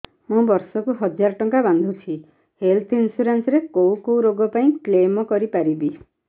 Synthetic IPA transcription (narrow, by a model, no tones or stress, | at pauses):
mũbɔɾsɔkuɦɔd͡ʒaɾɔʈɔŋkaband̪ʱut͡ʃʰi | helt̪ʰinsuɾensɔɾekowkowɾoɡɔpaĩklemɔkɔɾipaɾibi